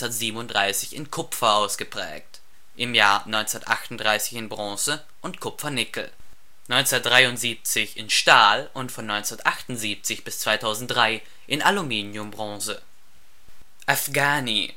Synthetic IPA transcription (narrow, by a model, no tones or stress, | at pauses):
ɐtz̥iːbəm̩ʊntd̥ʁaɪsɪçɪ̰nkʰʊpfɐaʊsɡ̥əpʁ̥ɛ̰ːk̚t | ʔɪmjaːɐnɔ̃ʏnt͡snɐtʔa̰χtʊntd̥ʁaɪsɪçɪnbʁɔ̃ːsə | ʔʊntkʰʊpfɐnɪkl̩ | nɔʏnt͡sɛnɐt̚dʁaɪʊntz̥iːp̚t͡sɪçɪ̰nʃtaːlʊntfɔnːɔʏnt͡snɐtʔaχtʊntz̥iːp̚t͡sɪçb̥ɪst͡sv̥aɪtʰaʊzn̩t̚d̥ʁaɪ | ʔɪnalumiːnjʊmbʁɔ̃ːsə | ʔafɡaːni